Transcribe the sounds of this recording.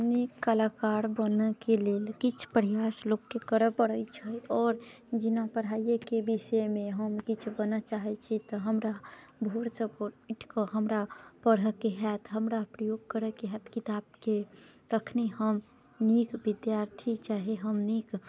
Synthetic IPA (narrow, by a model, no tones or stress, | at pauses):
nikːəlakaɾbənəkelelkit͡ʃʰpəɾjasloɡkekəɾəpəɽət͡ʃʰəɔːɾd͡ʒinapəɽ̤aijekebiʃəmẽɦəmkit͡ʃʰbənat͡ʃaɦɛt͡ʃʰit̪ɔɦəmɾa | bʱoɽsəboiʈʰkəɦəmɾapəɽəkeɦɛt̪ɦəmɾapɾəjoɡ̚kəɾəkeɦɛt̪kit̪ab̚kekəkʰniɦəm | nikʋid̪jaɾt̪ʰit͡ʃaɦeɦəmnik